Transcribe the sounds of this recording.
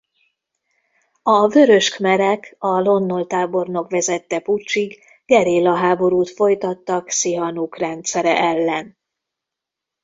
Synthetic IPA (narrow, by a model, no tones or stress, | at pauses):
ɒvø̞ɾø̞ʃkmɛɾɛkɒlo̞nːo̞lt̪aːbo̞rno̞kʋɛzɛt̪ːɛput͡ʃːiɡ | ɡɛɾeːlɒɦaːbo̞ɾuːt̪fo̞jt̪ɒt̪ːɒksiɦɒnukrɛnt̪sɛɾɛ̰ʔɛlːɛn